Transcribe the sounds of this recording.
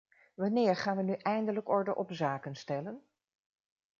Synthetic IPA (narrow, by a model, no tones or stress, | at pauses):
ʋɑnɪːɹχaːnʋənyʔɛjndələkɔɹdəʔɔpzaːkənstɛlən